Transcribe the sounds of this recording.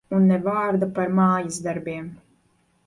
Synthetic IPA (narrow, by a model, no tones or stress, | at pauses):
unːɛvaːɾd̪apaɾmaːjazd̪aɾbʲiɛm